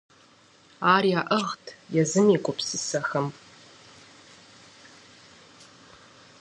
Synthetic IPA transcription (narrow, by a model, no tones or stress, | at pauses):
aːriaːʔəʁtʰjɛzɨmiːkʷʼʊpʰsɨsɐxɐm